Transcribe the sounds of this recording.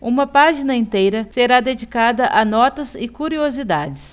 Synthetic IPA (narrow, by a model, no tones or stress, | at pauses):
ũmɐpaʒinɐẽnt̪ejɾɐseɾad̪ed͡ʒikad̪ɐʔanɔt̪ɐzɪkuɾiozid̪ad͡ʒɪs